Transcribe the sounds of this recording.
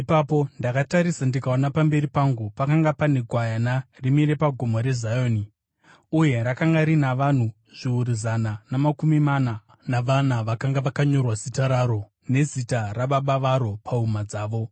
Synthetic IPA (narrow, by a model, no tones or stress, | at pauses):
ipapo̞ndakataɾisandikaonapambe̞ɾipaŋɡupakaŋɡapaneɡʱwajanarimiɾe̞paɡʱomoɾe̞zajoːni | uje̞ɾakaŋɡaɾinaʋan̤u | ʐ̥iuɾizananamakumimana | naʋanaʋakaŋɡaʋakaɲo̞rwazitaɾaɾo̞ | ne̞zitaraɓaɓaʋaɾo̞pʰaumad͡zaːʋo̞